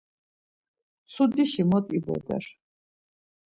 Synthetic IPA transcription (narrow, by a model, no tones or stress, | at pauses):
sud̪iʃimɔt̪ʼibɔ̰d̪ɛ̰ɾ